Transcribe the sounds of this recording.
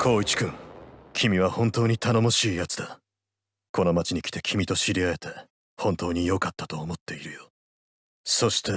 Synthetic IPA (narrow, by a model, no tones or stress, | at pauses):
kʰo̞ːit͡ɕi̥kɯ̃ŋkʲʰimʲiβahõ̞nt̪o̞ːɲ̟it̪ʰano̞mo̞ɕiːjat͡sɨ̥d̪a | ko̞no̞mat͡ɕiɲ̟ikʲi̥t̪e̞kʲimʲit̪o̞ɕiɾʲiaet̪e̞ | hõ̞nt̪o̞ːɲ̟ijo̞kat̪ːḁt̪o̞ːmo̞t̪ːe̞iɾɯ̟jo | so̞ɕi̥t̪ʰe̞